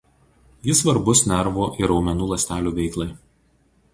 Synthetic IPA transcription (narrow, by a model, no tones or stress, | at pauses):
jɪsʋɐɾbʊsnʲɛɾʋoːʔɪɾɒʊmʲɛnuːlˠɐsʲt̪ʲæːlʲuːʋʲɛɪklˠɐɪ